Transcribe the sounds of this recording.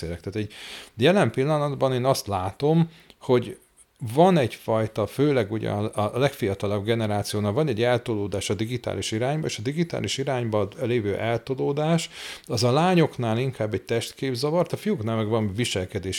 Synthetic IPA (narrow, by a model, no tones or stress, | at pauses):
eːlɛkt̪aːt̪ɛɟjɛlɛmpilːɒnɒd̪bɒneːnɒst̪laːt̪o̞m | ho̞ɟ | vɒnɛɟfɒjt̪ɒføːlɛɡuɟɛ̰ɒlɛkfijɒt̪ɒlɒbɡɛnɛɾaːt̪sijoːnalvɒnɛɟːɛlt̪oloːd̪aːʃɒd̪iɡit̪a̰ːliʃiɾaːɲbɒḛːʃɒd̪iɡit̪a̰ːliʃiɾaːɲbɒleːvøːʔɛlt̪oloːd̪aːʃɒzɒlaːɲo̞knaːliŋkaːbːɛc̚t̪ɛʃt̪keːbzɒvɒrt̪ɒfijuknaːlmɛɡvɒɱviʃɛlkɛd̪eːʃ